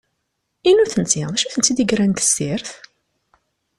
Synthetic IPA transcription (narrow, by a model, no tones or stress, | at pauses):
inuθənt͡siðæʃuθənt͡sːid̪iɡɾænt̪ə̥sːiɾθ